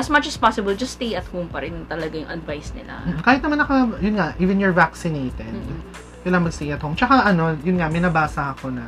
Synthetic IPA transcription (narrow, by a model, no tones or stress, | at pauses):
ʔɐsmɐt͡ʃɐspasɪbɐld͡ʒɐst̪ejɐt̪̚hompɐɾɪnt̪ɐlɐɡajʊŋʔɐ̰d̪vajsnɪ̰la̰m̩ːkaːhɪt̪nɐmanːɐkɐjʊnŋaʔiːvɛnjoɹvaksɪnejt̪ɛd̪ | kɐɪjlaŋmɐɡst̪ejʔɐt̪̚howmt͡ʃɐkaʔɐno̞jʊnŋamɛnɐbaːsɐɐko̞nɐ